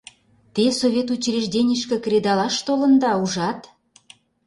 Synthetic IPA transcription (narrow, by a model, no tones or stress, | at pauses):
t̪esoβʲet̪ut͡ɕreʒd̪ʲenʲəʃkĕkrʲed̪ɑlɑʃt̪olə̆nd̪ɑuʒɑt̪